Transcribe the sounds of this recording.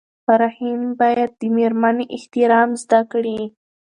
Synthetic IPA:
faɾɑhimbɑjad̪̚ːəmeɾmaneʔɪht̪ɪɾɑmzd̪akɽi

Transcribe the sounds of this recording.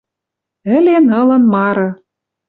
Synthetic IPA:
ɘ̆lenɤ̆lɤ̆nmɑɾɤ̆

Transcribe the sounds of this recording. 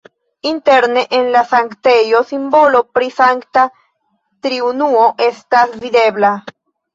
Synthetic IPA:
inte̞ɾne̞ʔenlasaŋkte̞jo̞simbo̞lo̞pɾisaŋkta | t̪ɾiunuo̞ʔe̞stasvid̪e̞bla

